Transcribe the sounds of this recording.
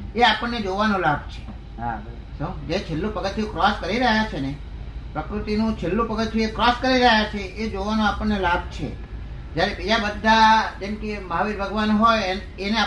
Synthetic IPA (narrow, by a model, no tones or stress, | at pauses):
eapəɳːed͡ʒoʋanõlab̚ʱt͡ʃʰe̥ | ɦa̰b | sũd͡ʒet͡ʃʰelːũpəɡət̪ʰjũkɾɔskəɾiɾəɦjat͡ʃʰene | pɾəkɾut̪inũt͡ʃʰelːũpəɡət̪iekɾɔskəɾiɾəɦjat͡ʃʰeʔed͡ʒoʋanõapəɳnelab̚t͡ʃʰḛ | d͡ʒjaɾebid͡ʒabəd̪ʱːad͡ʒemkeməɦaʋiɾbʱəɡʋanɦoj | enea